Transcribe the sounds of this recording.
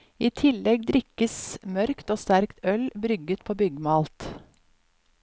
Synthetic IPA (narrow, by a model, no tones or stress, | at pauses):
iːt̪ʰɪlɛɡd̪ɾɪkəsmœɾkt̪oːst̪æɾkt̪œlbɾʏɡət̪̚pʰoːbʏɡmɑːlt̪